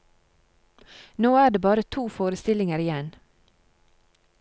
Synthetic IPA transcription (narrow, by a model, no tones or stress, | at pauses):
noːæːɖeːbɑːɾət̪ʰuːfoːɾəst̪ɪlɪŋəɾɪjɛn